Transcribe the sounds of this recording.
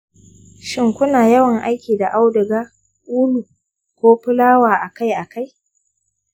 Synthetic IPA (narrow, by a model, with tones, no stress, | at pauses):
ʃɪ˦ŋkʷʊ˦naː˨jɐ˦wɐ˨ŋʔa˦jkʲiː˨da˨ʔa˦wdʊ˨ɡaː˦ | ʔuː˦lu˨ | kʷoː˦ɸɪ˦laː˦waː˨ʔa˨ka˦jʔa˨ka˦j